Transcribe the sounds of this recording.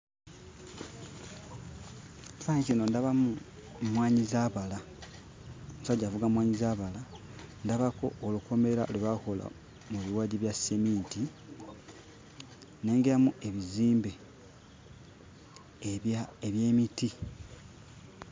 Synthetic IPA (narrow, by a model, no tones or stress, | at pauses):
saɲicino̞ndaβamu | mwaːɲizaβala | omusaɟːavuɡamwaːɲizaːβalandaβako̞̰ːluko̞me̞ɾaolweβako̞la̰ | muβiwaːɟiβjasemiːti | ne̞ːŋɡeɾamue̞βiziːmbe̞ | eβje̞ːmiti